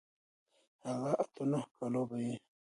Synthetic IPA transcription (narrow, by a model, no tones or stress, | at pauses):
haɣaʔat̪anahkalobaje